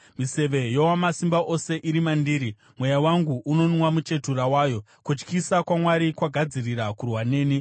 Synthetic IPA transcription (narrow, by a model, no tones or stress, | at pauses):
mise̞ʋe̞jowamasimbaʔo̞se̞ʔiɾimandiːɾi | mwe̞jawaŋɡuuno̞nwamut͡ʃe̞turawaːjo̞ | kut͡ʃkisakwamwaɾikwaɡʱad͡ziriɾakurwane̞ːni